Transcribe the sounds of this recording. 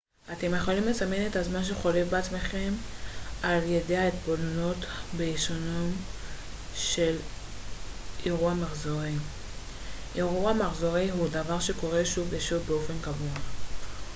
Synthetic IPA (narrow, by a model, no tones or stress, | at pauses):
ate̞mjeχo̞limlesamene̞thazmanʃ̬eχo̞le̞fbeat͡smeχe̞m | aljedeaet̪bolono̞tbeiʃonom | ʃe̞l | ʔiʁuamaχzoʁi | ʔiʁuamaχzo̞ʁiɦudavaʁʃe̞ko̞ʁe̞ʃuveʃuvbeo̞fe̞nkavua